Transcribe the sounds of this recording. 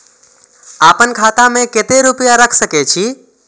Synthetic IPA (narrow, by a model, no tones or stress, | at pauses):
aːpənkʰaːt̪ãmẽket̪eɾʊpɪjaɾəkʰsəket͡ʃʰiː